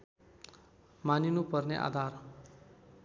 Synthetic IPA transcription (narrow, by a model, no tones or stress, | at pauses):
maninupʌrneʔa̰d̪ʱar